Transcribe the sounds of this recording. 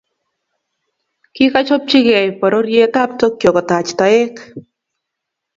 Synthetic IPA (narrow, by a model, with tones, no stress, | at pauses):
ki˦ka˦t͡ʃo˦p̚t͡ʃi˦kɛ˨jpɔ˨ɾo˦ɾje˦ta˦p̚to˦kjo˨kɔ˨ta˨t͡ʃta˨e˦k